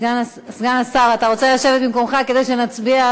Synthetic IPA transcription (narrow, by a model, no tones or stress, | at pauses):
ɡana | sɡanasaʁat̪aʁo̞t͡selaʃe̞vet̪̚bimko̞mχake̞d̪ejʃe̞nat͡sbia